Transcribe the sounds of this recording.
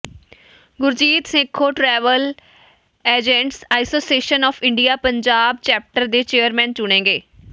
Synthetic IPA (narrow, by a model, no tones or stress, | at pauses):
ɡʊɾd͡ʒiːt̪sɪ̃kʰoːʈɾɛːʋəl | eːd͡ʒẽɳʈsaːɪsoːsieːʃənɔːfʰɪɳɖijaːpəɲd͡ʒaːbt͡ʃɛːp̚ʈəɾd̪eːt͡ʃeːəɾmɛ̃ːnt͡ʃʊɽ̃ẽːɡeː